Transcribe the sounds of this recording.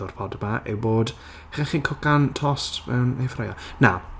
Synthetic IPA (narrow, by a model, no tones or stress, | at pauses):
ɔrpʰɔdəmaʔḛwboːd | χɛχiːnkʰʊkantʰɔstm̰ɛwnefrajana